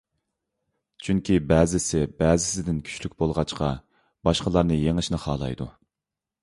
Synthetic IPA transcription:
t͡ʃʰyŋkʲʰibɛːzɪsɪbɛːzɪsɪd̪ɪnkʲʰy̥ʃlykʲbolˠʁɑt͡ʃqʰɑ | b̥ɑʃqəlˠɑɾnɨjeŋɪʃnɨχɑ̰ːlˠɑ̰jd̪u

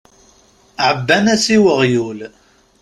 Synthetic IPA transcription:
ʕəbːænæsiwəʁjul

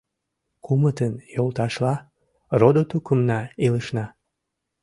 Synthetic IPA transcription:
kumət̪ənjolt̪ɑʃlɑ | rod̪ot̪ukəmnɑiləʃnɑ

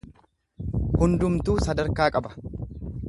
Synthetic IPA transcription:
hʊnd̪ʊmt̪uːsɐd̪ɐɾkaːkʼɐbɐ̥

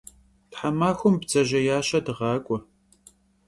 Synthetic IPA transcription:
tħamaːxʷʊmbt͡sʼɐʑɐjaːɕɐdɨʁɑːkʷʼʊ

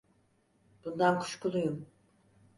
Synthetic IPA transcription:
b̥und̪ankʰu̥ʃkulˠujum

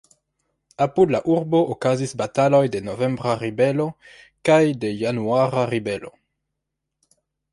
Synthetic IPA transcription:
apudlaʔuɾbookazisbatalo̞jde̞novembɾaɾibelo̞ | kajde̞januaɾaɾibelo̰

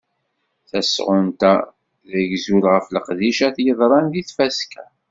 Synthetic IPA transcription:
θæsʁʊnt̪a | ðəʝzulʁəfləqðiʃæθjəðˤɾˤɑnðiθfæskʰæ

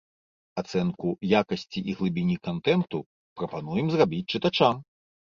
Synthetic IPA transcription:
at̪sɛnkujakɐsʲt͡sʲiʔiɣlˠɨbʲinʲikant̪ɛnt̪u | pɾɐpan̪ujɛmzrabʲit͡sʲt͡ʂɨt̪at͡ʂam

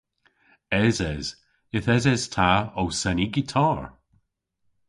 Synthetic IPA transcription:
ɛzɛz | ɪθɛzɛz̥tʰaowsɛniɡitʰaːɹ

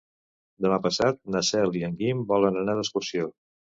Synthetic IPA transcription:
d̪əmapəsat̪̚nəsɛliəŋɡimbɔlənənaðəskusio

